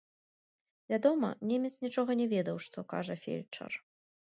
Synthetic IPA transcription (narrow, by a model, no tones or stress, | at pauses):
vʲad̪ɔmɐ̰nʲɛmʲɛt̪snʲit͡ʂɔɣɐnʲɛvʲɛd̪ɐwʂt̪ɔka̰ʐɐfʲḛlʲt͡ʂɐ̰r